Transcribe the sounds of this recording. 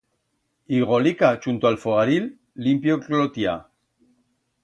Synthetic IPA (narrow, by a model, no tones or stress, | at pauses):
iɣolikat͡ʃunt̪oalfoɣaɾilː | impjoklot̪ia